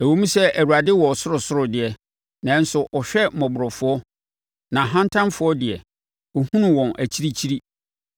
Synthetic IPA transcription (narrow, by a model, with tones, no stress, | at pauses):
æ˨wo˦mũ˦sɛ˦ʔæ˨wu˨a˨dɪ˦wɔ˨sʊ˦ɾʊ˨sʊ˦ɾʊ˨dɪ˨ɛ˨ | nã˨˦n̩˦sʊ˨ʔɔ˨ɕᶣɛ˦˨mɔ̃˨bʊ˨ɾɔ˨fʊ˦ɔ˦ | nã˨ɦã˦ntʰã˦mfʊ˦ɔ˦dɪ˨ɛ̰˨ | ɔ˨hũ˦nʊ̃˨wɔ̃˨nʔæ˨t͡ɕʰi˦ɾi˦t͡ɕʰi˦ɾi˦